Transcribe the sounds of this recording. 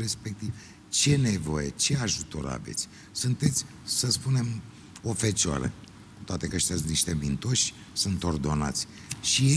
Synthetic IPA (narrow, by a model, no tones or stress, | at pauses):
ɾe̞spe̞k̚t̪iv | t͡ʃe̞ne̞vo̞̰jet͡ʃe̞aʒut̪o̞̰ɾa̰ve̞̰t̪sʲ | sunt̪e̞t̪sʲ | səspune̞m | o̞fet͡ʃoa̰ɾə̰ | kut̪oat̪e̞kəʃt̪ʲasniʃt̪ebint̪o̞ʃʲ | sunt̪o̞rd̪o̞na̰t̪sʲ | ʃie